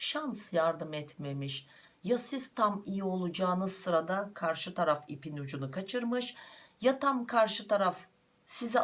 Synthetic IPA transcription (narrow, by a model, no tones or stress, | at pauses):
ʃansjaɾd̪ɯmɛt̪me̞miʃ | jasiz̥t̪ʰamijio̞lˠud͡ʒaːnɯzsɯɾad̪akʰaɾʃɯt̪ʰaɾafipinud͡ʒunukʰat͡ʃʰɯɾmɯʃjat̪ʰamkʰaɾʃɯt̪ʰaɾaf | sizɛ